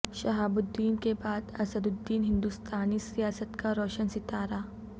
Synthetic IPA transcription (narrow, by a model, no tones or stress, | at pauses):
ʃɐɦaːbʊd̪ːiːnkebaːd̪ɐ̰səd̪ʊd̪ːiːnɦɪ̃nd̪ust̪aːnisijaːsət̪kaɾɔːʃənsɪt̪aːɾaː